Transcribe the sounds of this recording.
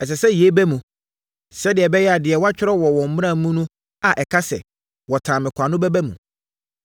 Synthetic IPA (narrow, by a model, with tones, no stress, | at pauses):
ɛ˨s̬ɛ˨sɛ˦je˦bæ˦mũ˨ | sɛ˦dɪ˨ɛ˨bɛ˦jɛ˦a˨dɪ˨ɛ˨wa˦t͡ɕᶣɪ˦ɾɔ˦wɔ˨wɔ̃˨m̩˦m˦ɾã˦˨˦mũ˦nʊ̃˦ | a˨ʔɛ˨kʰa˦sɛ̰˨ | wɔ˨tʰãː˨mɪ̃˨kʷʰa˨nʊ̃˦bɛ˦bɛ˦mṵ̃˨